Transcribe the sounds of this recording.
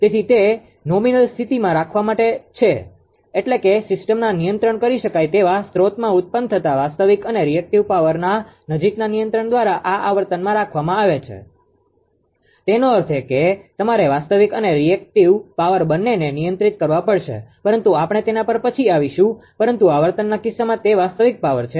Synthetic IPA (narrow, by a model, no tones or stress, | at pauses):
t̪et̪ʰit̪e | nominəlst̪ʰit̪imãɾakʰʋamaʈet͡ʃʰeː | ʈlekesɪsʈəmnanijənt̪ɾəɳkəɾiʃəkajt̪eʋast̪ɾot̪mãut̪̚pənt̪ʰət̪aʋast̪əʋikəneɾiek̚ʈiʋpaʋəɾna | nəd͡ʒiknanijənt̪ɾəɳd̪ʋaɾaʔaʔaʋəɾt̪ənmãɾakʰʋamãaʋet͡ʃʰḛ | t̪enoəɾt̪ʰeket̪əmaɾeʋast̪əʋikəneɾiek̚ʈiʋpaʋəɾbənːenenijənt̪ɾit̪̚kəɾʋapəɭʃḛpəɾənt̪uapɳ̃et̪enapəɾpət͡ʃʰiaʋiʃũpəɾənt̪uaʋəɾt̪ənːakɪsːamãt̪eʋast̪əʋik̚paʋəɾt͡ʃʰe